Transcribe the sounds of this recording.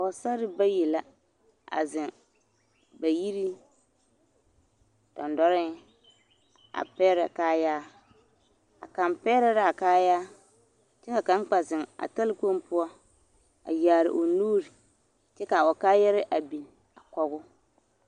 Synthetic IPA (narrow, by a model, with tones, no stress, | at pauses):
a˨ɔ˨sa˦ɾɪ˦ba˦ji˨la˦ | a̰˨zɪ˨ŋ | ba˨ji˦ɾi˦ | d̥ɔ̰˨ndɔ˦ɾɪ˦ | a̰˨pɛː˦ɾɛ˨kaː˦jaː˦ | a̰˨ka˨mpɛ˦ɾɛ˦ɾa˦˨kaː˦jaː˦ | t͡ʃɛ˦ka˨ka˨˦ŋ˦k͡pa˨zɪ˨ŋa̰˨ta˦lɪ˦ko˦mpʊ˦ɔ˦ | a̰˨jaː˨ɾɪ̰˨ʔo˨nuː˦ɾi˨ | t͡ʃɛ˦ka˨ɔ˨kaː˦jɛ˦ɾɪ˦ʔa˨bi˨n | a˨kɔ˦ɣʊ˦